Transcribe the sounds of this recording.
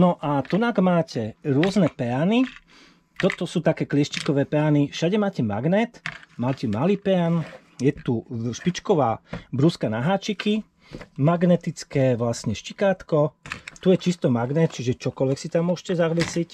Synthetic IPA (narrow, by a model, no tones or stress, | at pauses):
nɔʔat̪ɔnaɡmaːcʰɛɾʊɔznɛpɛani | t̪ɔt̪ɔsuːt̪akɛːklɪɛʃt͡ʃikɔʋɛːpɛanifʃaɟɛmaːcɛma̰ɡnɛːt̪maːcɛmaliːpɛan | jɛt̪uʃpit͡ʃkɔʋa̰ːbɾuskanaɦaːt͡ʃiki | maɡnɛt̪it͡skɛːʋlasɲɛʃcikaːt̪kɔt̪ujɛt͡ʃist̪ɔmaɡnɛt̪̚t͡ʃiʒɛt͡ʃɔkɔlʋɛksit̪amːʊɔʃcɛzaɦʋɛsic